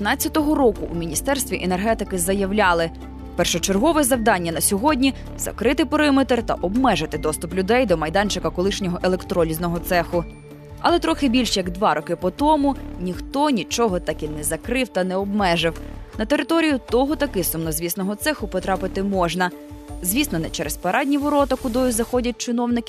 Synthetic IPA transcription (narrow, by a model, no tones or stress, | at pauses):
t̪nɑt͡sʲːɐt̪ɔɦɔɾɔkʊʔumʲinʲist̪ɛrst̪ʋʲiʔenerɦɛt̪ɪkɪzɐjɐwlʲɑlˠɪ | pɛrʃɔt͡ʃerɦɔʋɛzɐwd̪ɑnʲːɐnɐsʲɔɦɔdʲnʲi | zɐ̰kɾɪt̪ɪpɔɾɪmet̪rt̪ɐ̰ʔɔbmɛʒɪt̪ɪd̪ɔst̪ʊplʲʊd̪ɛjd̪ɔmɐjd̪ɑnʲt͡ʃɪkɐkɔlˠɪʃnʲɔɦɔʔelˠekt̪ɾɔlʲiznɔɦɔt̪sɛxʊ | ɐ̰lˠɛt̪ɾɔxɪbʲilʲʃjɐɡd̪ʋɑɾʔɔkɪpɔt̪ɔmʊnʲixt̪ɔnʲit͡ʃɔɦɔt̪ɑkinɛzɐkɾɪwt̪ɐnɛɔbmɛʒɪwnɐt̪e̞ɾɪt̪ɔɾʲijʊt̪ɔɦɔt̪ɐkɪsʊmnɔzʲʋʲisnɔɦɔt̪sɛxʊpɔt̪ɾɑpɪt̪ɪmɔʒnɐ | zʲʋʲisnɔnɛt͡ʃɛɾespɐɾʔɑdʲnʲiʋɔɾɔt̪ɐkʊd̪ɔjʊzɐxɔdʲɐt̚ʲt͡ʃɪnɔwnɪkʲɪ